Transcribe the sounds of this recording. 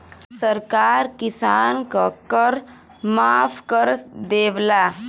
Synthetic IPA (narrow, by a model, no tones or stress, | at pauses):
səɾkaːɾkɪsaːnkakəɾ | maːpʰkəɾd̪eːʋlaː